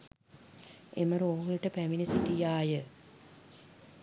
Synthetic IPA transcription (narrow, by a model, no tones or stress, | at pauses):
ḛməɾoːɦiʈəpæminisitijaːjə